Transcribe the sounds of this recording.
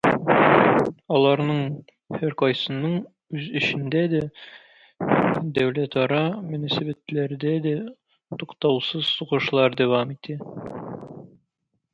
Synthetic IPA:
ɒlˠɑɾnɤɴ | hæɾqɒjsɤ̆nɤɴ | ʉzɘ̆ɕɘ̆nd̪æd̪æ | d̪æwlæt̪ɒɾɑmɵ̆næsæbæt̪læɾd̪æd̪æ | t̪uqt̪ɑwsɤz̥suʁɤ̆ʃlˠɑɾd̪æwɑmit̪ʰɘ

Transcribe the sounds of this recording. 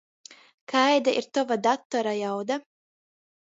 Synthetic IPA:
kʰajd̪aʔiɾt̪ɔvad̪at̪ːɔɾajawd̪a

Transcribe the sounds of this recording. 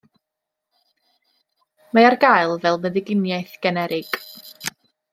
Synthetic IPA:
maarɡajlˠvɛlˠvəðɪɡɪnjaɨθɡ̥ɛnɛɾɪɡ̥

